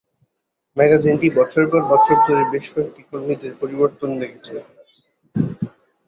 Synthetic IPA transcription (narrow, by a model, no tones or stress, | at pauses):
mɛɡad͡ʑinʈibɔt͡ɕʰoɾpɔɾbɔt͡ɕʰoɾt̪oɾebeʃkɔek̚ʈikoɾmid̪eɾpoɾiboɾt̪ond̪ekʰet͡ɕʰe